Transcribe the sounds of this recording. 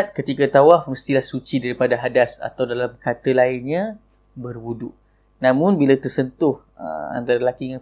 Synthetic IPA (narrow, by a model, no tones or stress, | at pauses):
t̪̚kət̪ikat̪awafməst̪ilahsut͡ʃidaɾipadaɦadasa̰t̪awdalamkat̪əlaɪnɲa | bərwudʊʔ | nãmʊ̃nbilat̪ərsənt̪ʊh | ə̰a̰nt̪aɾalakiŋa